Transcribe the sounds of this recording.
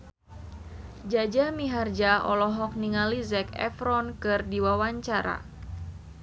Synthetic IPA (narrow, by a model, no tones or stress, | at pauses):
d͡ʒad͡ʒamiɦard͡ʒaɔlɔɦɔk̚niŋalizɛkɛ̰fɾɔnkɨrdiwawaɲt͡ʃaɾa̰